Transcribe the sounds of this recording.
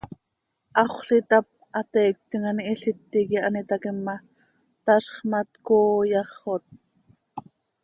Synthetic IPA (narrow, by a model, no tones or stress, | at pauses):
ʔɑχʷɬit̪ɑp̚ʔɑt̪ɛːk̚t̪iŋɑniʔːɬit̪ːikiʔɑnit̪ɑkimːɑ | t̪ɑɬχmɑt̪koːjɑχot̪̚